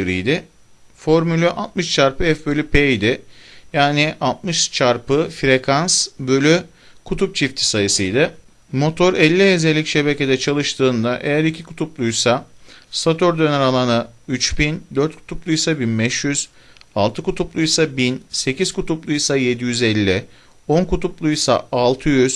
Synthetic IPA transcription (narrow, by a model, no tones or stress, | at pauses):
ɾḭjd̪ɪ | fo̞ɾmylʲyʔalˠt̪̚mɯʃt͡ʃʰaɾpʰɯɛfbø̞lʲypʰeid̪ɪjaːnɪʔalˠt̪̚mɯʃt͡ʃʰaɾpɯfɾe̞kʰansbølʲy | kʰut̪ʰup̚t͡ʃʰift̪ʰi̥sajɯsɯjd̪ɪ | mo̞t̪ʰo̞ɾɛlʲːiezɛlʲːicʃe̞be̞ce̞d̪ɛt͡ʃʰalˠɯʃt̪ʰɯːnd̪aʔe̞jæɾicʰikʰu̥t̪ʰuplˠujsasat̪ʰo̞ɾd̪ø̞næɾalˠanɯyt͡ʃbind̪øɾt̪̚kʰu̥t̪ʰuplˠujsabinbɛʃjyz̥ | alˠt̪ʰɯkut̪ʰuplˠujsabinse̞cʰiz̥kʰut̪ʰuplˠujsaje̞d̪ijyzɛlʲːɪ | o̞nkut̪ʰuplˠujsa̰ːlˠt̪ʰɯjyz̥